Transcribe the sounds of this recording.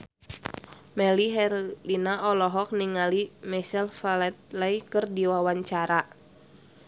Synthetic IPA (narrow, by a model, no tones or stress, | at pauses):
mɛliɦɛlinaʔɔlɔɦɔk̚niŋalimɛsɛlfalɛt̪̚laikɨrdiwawaɲt͡ʃaɾa